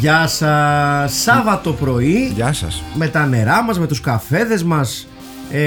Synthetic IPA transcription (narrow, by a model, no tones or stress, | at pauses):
ʝɐsɐsːɐvɐt̪o̞pɾo̞iʝɐsɐ̰sme̞t̪ɐne̞ɾɐmɐzme̞t̪uskɐfe̞ðe̞zmɐs